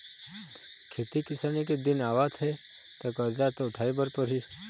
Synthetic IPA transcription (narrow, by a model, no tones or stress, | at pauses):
kʰeːt̪ikɪsaːniked̪ɪnaːʋat̪ʰe | t̪okɐɾd͡ʒat̪oʊʈʰaːibəɾpəɾɦi